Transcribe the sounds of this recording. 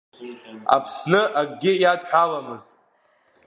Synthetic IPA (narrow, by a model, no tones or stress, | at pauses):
a̰pʰsnɨʔaɡɡʲɪjadħʷᶣalamɨztʼ